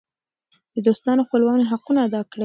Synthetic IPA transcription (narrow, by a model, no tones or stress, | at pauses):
d̪əd̪ost̪ɑnoxpəlwɑneɦaqunaːd̪ɑkɽe